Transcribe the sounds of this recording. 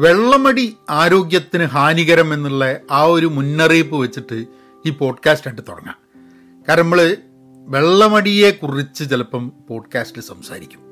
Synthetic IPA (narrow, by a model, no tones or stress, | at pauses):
ʋe̞ɭːɐmɐɽiaːɾo̞ːɡjɐt̪ːinɨɦaːniɣɐɾɐme̞nːiɭːɐaːo̞ɾumunːɐriːpːɨʋet͡ɕːiʈːɨ | iːpo̞ːɖkaːsʈeʈːɨt̪oɽɐ̰ŋːa̰ː | kaːɾɐnɐmːɐɭɨ | ʋe̞ɭːɐmɐɽije̞kurit͡ɕːɨt͡ɕelɐpːɐmpo̞ːɖkaːsʈilsɐmsa̰ːɾikʲːu̥m